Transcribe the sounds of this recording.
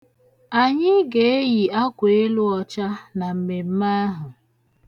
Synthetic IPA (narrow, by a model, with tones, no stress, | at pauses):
a˨ɲɪ˦ɡe˨˦e˦ji˨a˦kʷe˨˦e˦lʊ˦ɔ˨t͡ʃa˦na˨m̩˨me˨m̩˦ma˦ɦʊ˨